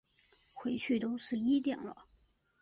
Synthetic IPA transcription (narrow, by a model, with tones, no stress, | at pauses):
xwe˧˥ɪt͡ɕʰy˥˩t̪o˥ʊʂɻ̩˥˧i˥t̪̬jɛ˨˩nlə̰˦